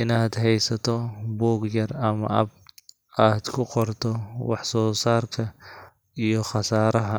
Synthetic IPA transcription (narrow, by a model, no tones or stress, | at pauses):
ɪnaːd̪ɦɛjsɐt̪ʰɔbɔːɡjɐrɐmɐʔɐ̰b̚ | aːd̪kʰʊqɔrt̪ʰɔwɑħsɔːsaːrkʰɐ | ijɔχɑsaːɾɐɦɐ